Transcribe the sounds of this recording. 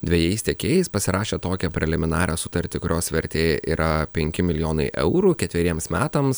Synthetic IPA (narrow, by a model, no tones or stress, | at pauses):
d̪ʲʋʲɛjɛɪsʲt̪ʲɛkʲeːjɛɪspɐsʲɪɾɑːʃʲeːt̪oːkʲɛpʲɾʲɛlʲɪmʲɪnɑːɾʲʔɛ̰ːsʊt̪ɐɾʲt̪ʲɪkʊɾʲoːsʋʲɛɾʲt̪ʲeːʔiːɾʔɐpʲɛŋʲkʲɪmʲɪlʲɪjoːnɐɪʔɛ̰ʊɾukʲɛt̪ʲʋʲɛɾʲiɛmsmʲæːt̪ɐms